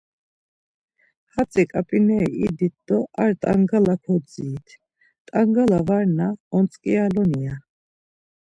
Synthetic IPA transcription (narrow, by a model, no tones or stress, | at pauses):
hat̪t͡sʼɛkʼapʼinɛid̪it̪̚d̪̥ɔʔaɾt̪ʼaŋɡalakʰɔd̪ziːt̪ʰ | t̪ʼaŋɡalavaɾnaɔnt͡sʼkʼialɔnia